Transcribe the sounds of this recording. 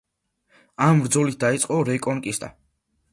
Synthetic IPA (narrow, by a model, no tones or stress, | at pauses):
ambɾd̪zɔlit̪̚ʰd̪ait̪sʼqʼɔɾɛkʼɔnkʼist̪ʼa̰